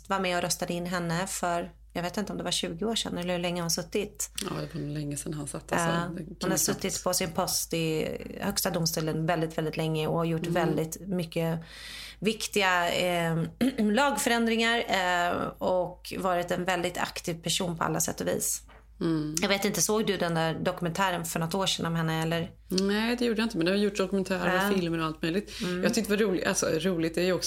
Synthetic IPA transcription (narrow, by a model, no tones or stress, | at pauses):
t̪vaɾmɛɔɾœst̪ad̪əɪnːɦɛnːəfœɾ | jɑɡveːt̪ɪnt̪əɔmd̪ɛvaʂʉ̟ːɡɪoːʂɛ̰nɛlːəhɵlɛŋːəhʊnsɵt̪ːɪt̪ad̪ɛvanlɛŋːəsɛnhansat̪ʰːhʊnhasɵt̪ːɪt̪pʰɔsɪnpʰɔst̪ɪhœkst̪ad̪ʊmst̪uːlənvɛld̪ɪt̪vɛld̪ɪt̪lɛŋːəɔhaɾjʊʈːvɛld̪ɪt̪mʏkːə | vɪkt̪ɪɡa | lɑːɡfœɾɛnd̪ɾɪŋaɾ | ɔkvɑːɾɪt̪ɛnvɛld̪ɪt̪ʰa̰kt̪ʰiːvpʰæʂuːnpʰɔa̰lːa̰sɛ̰t̪ːɔvḭːs | jɑɡveːt̪ɪnt̪əsoːɡd̪ɵd̪ɛnd̪æɾɖɔkɵmɛnt̪ʰæːɾənfœɳɔt̪ːoːʂɛːnɔmhɛnːəɛlːəɾ | nɛːd̪ɛjuːɖəjaɪnt̪əmɛnd̪ɛhajʊʈːd̪ɔkɵmɛnt̪ʰæːɾəɾfɪlməɾɔalt̪̚mœjlɪt̪jɑt̪ʏkt̪əvaɾuːlɪalsɔ̰ɾuːlɪɡt̪̚d̪ɛajɔks